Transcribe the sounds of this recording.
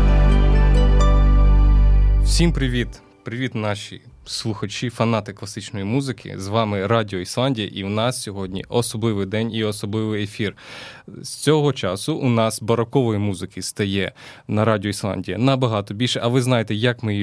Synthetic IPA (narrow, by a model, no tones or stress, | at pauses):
w̥sʲimpɾɪʋʲit̪ | pɾɪʋʲit̪nɑʃʲḭ | slˠuxɐt͡ʃifɐnɑt̪ɪklˠɐsɪt͡ʃnɔjimuzɪkʰɪ̰zʋɑmɪɾɑdʲiɔislˠɑnʲdʲijɐ̰ʔiwnɑssʲɔɦɔdʲnʲḭɔsɔblˠɪʋɪjd̪ɛnʲiɔsɔblˠɪʋɪjefʲirsʲt͡sʲɔɦɔt͡ʃɑsʊʔʊnɑsbɐɾɔkɔʋɔjimuzɪkʰɪst̪ɐjɛnɐɾɑdʲiɔislˠɑ̰nʲdʲijɐ̰nɐbɐɦɑt̪ɔbʲilʲʃɛʔɐʋɪznɑjet̪ɛjɐkmɪ